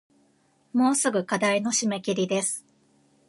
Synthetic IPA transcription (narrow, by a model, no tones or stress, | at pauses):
mo̞ːsɨɡɯ̟kad̪aino̞ɕimekʲiɾʲid̪e̞sɨ̥